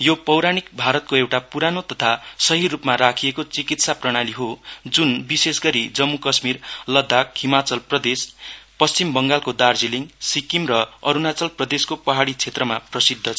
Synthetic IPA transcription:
jopʌwɾaɽ̃ik̚bʱaɾʌt̪̚koewʈapuɾanot̪ʌt̪ʰasʌɦirupmaɾakʰijekot͡sikit̪saprʌɽ̃aliɦod͡zunbisesɡʌɾid͡zʌmːukʌsmirlʌd̪ʱːakɦimat͡sʌlprʌd̪espʌst͡simbʌŋɡalkod̪ard͡ziliŋsikimrʌʌɾunat͡sʌlprʌd̪eskopʌɦaɽit͡sʰet̪rʌmaprʌsid̪ʱːʌt͡sʰʌ

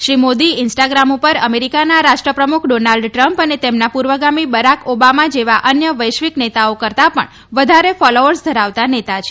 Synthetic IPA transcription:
ʃɾimod̪iɪnsʈaɡɾamupəɾəmeɾikanaɾaʃʈɾəpɾəmukʰɖonalɖʈɾəmpənet̪emnapuɾʋəɡamibəɾakobamad͡ʒeʋaʔənjəʋəjʃʋiknet̪aokəɾt̪apə̰ɳ | ʋəd̪ʱaɾefɔloʋəɾsd̪ʱəɾaʋt̪anet̪at͡ʃʰe

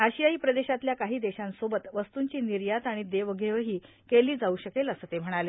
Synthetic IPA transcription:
ɦaɕijaiːpɾəd̪eɕat̪ljakaɦiːd̪eɕãnsobət̪ʋəst̪uɲt͡ɕiːniɾjat̪aɽ̃id̪eʋəɡʱeʋəɦiː | keliːd͡zauɕəkeləsət̪em̤əɽ̃ale

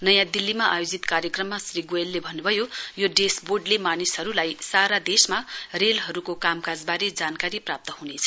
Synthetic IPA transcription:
nʌjãd̪ilːimaʔajod͡zit̪kaɾjʌkrʌmːasriɡoelːebʱʌnːubʱʌjojoɖesboɖlemanisɦʌɾulajsaɾad̪esmarelɦʌɾukokamkad͡zbaɾid͡zankaɾiprap̚t̪ʌɦunet͡sʰʌ

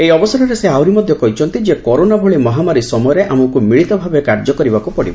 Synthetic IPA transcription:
ejɔbɔsɔɾɔɾeseawɾimɔd̪ʱjɔkɔɦit͡ʃʰɔnt̪id͡ʒekɔɾonabʱɔɭimɔɦamaɾisɔmɔjɔɾeʔamɔkumiɭit̪ɔbʱabekaɾd͡ʒɔkɔɾibakupɔɽḭbɔ

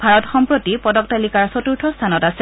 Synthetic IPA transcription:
bʱaɹɔtxɔmpɹotipɔdɔk̚talikaɹsotuɹtʰɔstʰanɔtasɛ

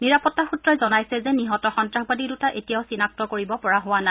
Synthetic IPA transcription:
niɹapɔtːaxutɹɔjzɔnajsɛzɛniɦɔtɔxɔntɹaxbadidutaʔetijaʊsinak̚tɔkoɹibɔpɔɹaɦʊwana

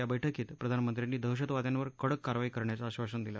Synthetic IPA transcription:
jabəjʈʰəkiːt̪pɾəd̪ʱanmənt̪ɾjanːiːd̪ʱəwɕ̬ət̪ʋad̪ʱjanʋəɾkəɽəkːaɾʋaiːkəɾɳjat͡saɕʋaɕənd̪ila̰

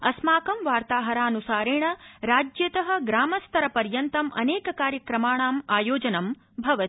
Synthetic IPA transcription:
ɐsmaːkɐmʋaːɾt̪aːɦɐɾaːnusaːɾeːɳɐɾaːd͡ʒjɐt̪ɐɦɐ̆ɡɾaːmɐst̪ʰɐɾɐpɐɾjɐnt̪ɐmʔɐ̰neːkɐkaːɾjɐkɾɐmaːɳaːmaːjoːd͡ʒɐnɐm | bʱɐʋɐt̪

